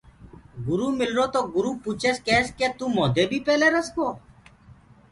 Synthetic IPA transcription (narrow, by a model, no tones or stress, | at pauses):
ɡʊɾuːmɪlɾoːt̪oːɡʊɾuːpuːt͡ʃʰeːskeːskeːt̪ũːmoːd̪eːbʱiːpɛːleːɾəskoː